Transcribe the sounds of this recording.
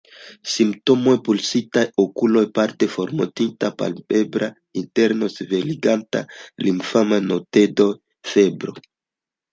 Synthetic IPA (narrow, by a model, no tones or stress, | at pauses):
simpt̪omojpulsit̪ajokulojpaɾt̪efoɾmot̪int̪apa̰lbebɾa | int̪eɾnoseveliɡant̪a̰limfamanot̪ed̪o | febɾo